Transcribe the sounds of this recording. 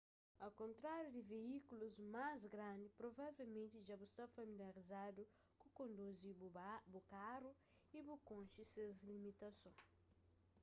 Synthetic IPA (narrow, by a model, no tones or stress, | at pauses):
ɐkõnt̪ɾaɾjud̪iveikuluzmazɡɾãnd̪ipɾovavɛwmẽnt̪iʒabust̪afɐmiljaɾizad̪u | kukõnd̪uzibukaru | ibukõnʃisezlimit̪ɐsõ